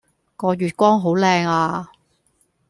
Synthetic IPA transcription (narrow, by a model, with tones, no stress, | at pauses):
ŋɔː˨˧jyː˨˩t̚kʷɔː˥ŋɦo˨˥wlɛː˧ŋaː˧